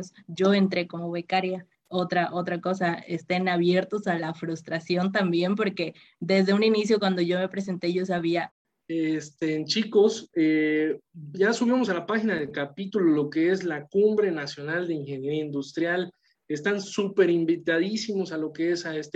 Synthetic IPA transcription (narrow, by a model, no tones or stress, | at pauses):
sʝo̞e̞nt̪ɾe̞ko̞mo̞βe̞kaɾja | o̞t̪ɾaʔo̞t̪ɾako̞saest̪enaβ̞je̞ɾt̪o̞salafɾust̪ɾasjo̞nt̪̬ambje̞mp̬o̞ɾke̞ | d̪e̞zðe̞uninis̬jo̞kwand̪o̞ʝome̞pɾe̞s̬e̞nt̪e̞ʝo̞s̬aβ̞ia | est̪ent͡ʃiko̞se | ɟ͡ʝasuβimo̞salapaxinaðelkapit̪ulolo̞keezlakumbɾe̞nasjo̞nald̪eiŋxe̞njeɾiaind̪ust̪ɾjal | est̪ansupe̞ɾimbit̪aðisimo̞salo̞keesaest̪